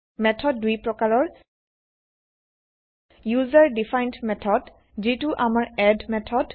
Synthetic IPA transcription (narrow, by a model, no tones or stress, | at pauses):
mɛtʰɔdːujpɹɔkaɹɔɹ | juzaɹdifajntmɛtʰɔd | zituʔamaɹɛdmɛtʰɔd